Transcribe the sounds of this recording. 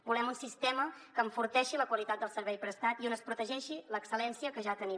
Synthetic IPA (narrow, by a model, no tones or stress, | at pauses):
bulɛmunsist̪ɛməkəːɱfuɾt̪ɛʃiləkwəlit̪at̪̚d̪əlˠsəɾβɛjpɾəst̪at̪ionəspɾut̪əʒɛʃiləksəlɛnsiəkəʒat̪əni